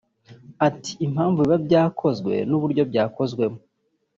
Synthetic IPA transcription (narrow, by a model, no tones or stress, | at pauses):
ati̥im̥haːɱvuiβabɟaːkʰo̞zɡwe̞̰nuβuɾɟo̞bɟaːko̞zɡwe̞mo